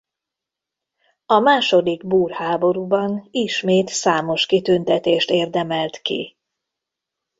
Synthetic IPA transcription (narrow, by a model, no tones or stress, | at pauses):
ɒmaːʃo̞d̪iɡbuːrhaːbo̞ɾuːbɒniʃmeːt̪saːmo̞ʃkit̪ynt̪ɛt̪eːʃt̪eːrd̪ɛmɛlt̪kḭ